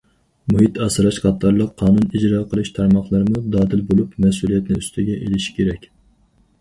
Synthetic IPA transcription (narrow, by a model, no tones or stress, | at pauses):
muɦit̪ɑsɨɾɑʃqʰɑt̪ʰːɑɾlˠəqʰːɑːnunid͡ʒɾɑːqʰəlˠɨʃt̪ʰɑɾmɑχlˠɨɾɨmud̪ɑːd̪ɪlbolˠupmɛsulˠijɛt̪nɪyst̪ʰɪɡʲɛʔelɪʃi̥kʲʰeɾɛkʲ